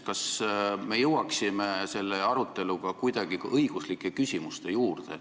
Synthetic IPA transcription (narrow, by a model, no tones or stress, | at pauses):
kɑsme̞jɤwɑksimese̞lːe̞ɑɾut̪ːˑe̞luɡ̥ɑkujd̪̥ɑɡ̥iʔɤjɡ̥uslikːˑe̞kysʲimust̪e̞juːrd̪e̞̰